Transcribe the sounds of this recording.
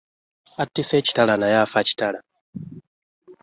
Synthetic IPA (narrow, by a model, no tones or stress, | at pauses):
atːiset͡ʃi̥talanajafat͡ʃi̥tala